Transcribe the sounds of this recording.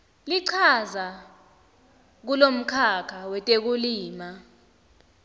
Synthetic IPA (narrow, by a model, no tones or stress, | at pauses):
liǀʰaza | k̬ulom̩kʰakʰawɛtʼek̬uliːma